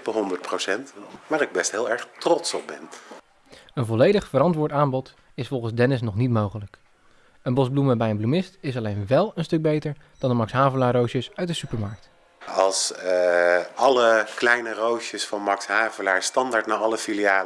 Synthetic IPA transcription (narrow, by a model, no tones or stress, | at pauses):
pəɦɔndət̚prowsɛntmaːɾɪɡ̚bɛstɦɪːlˠɛɹχtrɔtsɔb̚bɛn | ənvɔlejdəχfəɾɑntʋʊːɹtaːmbɔt | ɪsfɔlˠχənzdɛnɪs̬nɔχnitmowχələk | ənbɔzbluməbɛjənblumɪstɪs̬ɑlejnʋɛlˠənstɵɡ̚bejtəɹd̥ɑndəmɑksɦaːvəlaːrowʃəsœɥt̚dəsypəɹmɑɹk̚t | ɑlˠs | ɑləklɛjnərowʃəsfɑnmɑksɦaːvəlaːɹstɑndaːɹtnaːɑləfiliaː